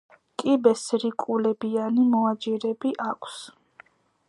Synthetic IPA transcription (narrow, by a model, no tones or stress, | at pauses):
kʼibɛsɾikʼulɛbianimɔad͡ʒɛɾɛbiʔakʷʰs